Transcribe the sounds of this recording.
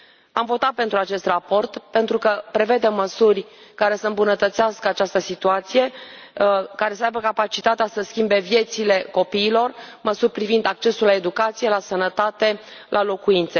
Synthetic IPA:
amvo̞t̪at̪̚pe̞nt̪ɾuat͡ʃe̞st̪rapo̞rt̪pe̞nt̪ɾukəpɾe̞ve̞d̪e̞məsurʲkaɾe̞səɨmbunət̪ət̪seaskəat͡ʃast̪əsit̪uat̪sije̞ | kaɾe̞səajbəkapat͡ʃit̪at̪easəskʲimbe̞vje̞t̪sile̞ko̞piːlo̞rməsurʲpɾivind̪ak̚t͡ʃe̞sulːae̞d̪ukat̪sije̞lasənət̪at̪e̞lʔalo̞kuint̪se

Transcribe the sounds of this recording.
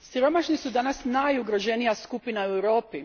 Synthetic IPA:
siɾo̞maʃnisud̪anasnajuɡɾo̞ʒe̞nijaskupinauewɾo̞ːpi

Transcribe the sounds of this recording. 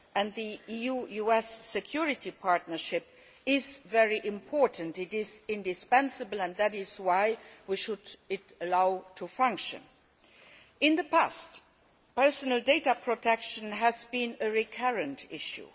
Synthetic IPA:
ʔɨ̃nðiijujuɛsːɨkʰj̥ʊɹɪtʰipʰɑɹtnə˞ʃɪp̚ | ɪzvɛɹiʔɪ̃mpʰɔɹtən̩tɪɾɪzɪ̃ndɨspɛ̃nsɨbəl̩ˠə̃nðæɾɪzwaɪwiʃʊdɪtəlaʊtʰufãŋkʃɨ̰̃n | ɪ̃nðəpʰæst | pɜ˞sənəlˠdeɪtəpʰɹ̥otʰɛkʃə̃nɦæzbĩnəɹikʰʌɹɨ̃ntʰɪ̰ʃṵ

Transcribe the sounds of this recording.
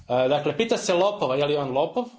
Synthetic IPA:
əd̪akle̞piːt̪aselˠopoʋajelionlˠopoʋ

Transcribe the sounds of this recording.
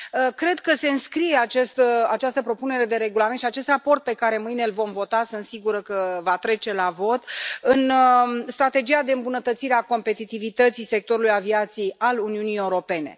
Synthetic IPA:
əkɾe̞d̪kəse̞ɨnskɾije̞at͡ʃest̪əat͡ʃast̪əpɾo̞pune̞ɾe̞d̪e̞ɾe̞ɡulamet̪ʃiat͡ʃe̞st̪rapo̞rt̪̚pe̞kaɾe̞mɨjne̞lvo̞mvo̞t̪asɨnt̪siɡuɾəkəvat̪ɾe̞t͡ʃe̞lavo̞t̪ɨnst̪ɾat̪e̞d͡ʒijad̪e̞ɨmbunət̪ət̪siɾeako̞mpe̞t̪it̪ivit̪ət̪sise̞k̚t̪o̞ɾulujaviat̪sijejaluniunije̞uɾo̞pe̞ne̞̰

